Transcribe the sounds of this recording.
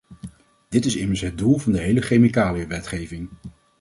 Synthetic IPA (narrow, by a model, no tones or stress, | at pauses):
d̥ɪtɪsɪməsɦəd̚dulˠvɑndəɦejləχejmikaːliəʋɛtχejvɪŋ